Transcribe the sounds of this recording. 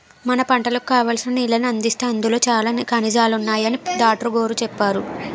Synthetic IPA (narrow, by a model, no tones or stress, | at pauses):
mɐnɐpɐɳʈɐlɐku̥kaːʋaːlsinɐnilːɐniɐnd̪ist̪eːɐnd̪ulo̞ːt͡ʃaːlaːnkɐnid͡ʒaːlunːaːjɐnid̪aːʈɾɐɡo̞ːɾut͡ʃɛpːaːɾu